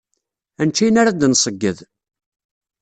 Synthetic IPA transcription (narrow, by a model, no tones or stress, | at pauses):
ænt͡ʃːijnaɾad̪nsˤəɡːəð